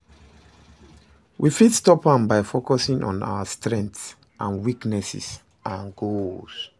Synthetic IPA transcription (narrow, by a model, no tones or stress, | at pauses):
wʔifidstɔpãmbaɪfokɔsĩŋʔɔ̰̃na̰wəstɹɛ̃ŋts | ʔãnwiknɛsḭs | ʔãnɡos